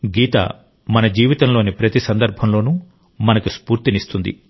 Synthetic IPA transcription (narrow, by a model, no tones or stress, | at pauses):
ɡiːt̪ɐ̰ | mɐnɐd͡ʒiːʋit̪ɐmlo̞ːnipɾɐt̪isɐnd̪ɐɾbʱɐmlo̞ːnu | mɐnɐkuspuːɾt̪inist̪und̪ḭ